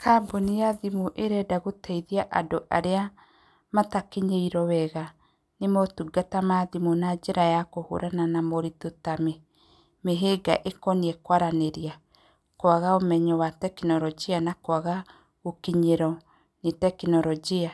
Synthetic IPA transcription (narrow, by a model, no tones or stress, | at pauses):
kʰabonijaðimoʔeɾɛdaɣotɛiðiaʔadoʔa̰ɾea | matakiɲeiɾɔwɛɣa | nemɔtuɡatamaðimonad͡ʒeɾajakoho̰ɾʔananamoɾitotame | meɦeɡa̰ʔekɔniɛkwaɾaneɾia | koaɣaomɛɲɔwatɛkinɔɾɔd͡ʒianakwaɣa | okiɲeɾɔ | netɛkinɔɾɔd͡ʒia